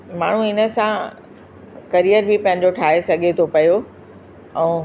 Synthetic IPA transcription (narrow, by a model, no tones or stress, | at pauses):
maːɳ̤ũɪnə̆sã | kɐɾijəɾbipɐ̃ɦɪ̃ɲ̆d͡ʑoʈʰaːɦesɐɠʱet̪ʰopɐjo | ɛ̃ː